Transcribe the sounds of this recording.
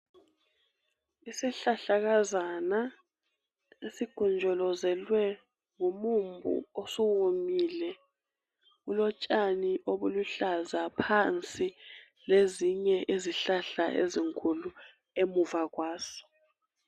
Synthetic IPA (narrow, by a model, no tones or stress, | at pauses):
isiɬaɬaɣazana | esiɡ̥ʱɔnd͡ʒʱɔlɔzɛlwɛ | ŋumumbʱṵosuwomilɛ | ɣulɔt͡ʃʼaniʔoβuluɬazapʰant͡sʼi | leziɲɛʔeziɬaɬaʔḛziŋkʰʼulu | emuvaɣwaːsɔ̥